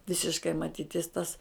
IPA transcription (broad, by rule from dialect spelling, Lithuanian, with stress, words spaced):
ˈʋʲɪsʲɪʃkɐɪ mɐˈtʲiːtʲɪs tɐs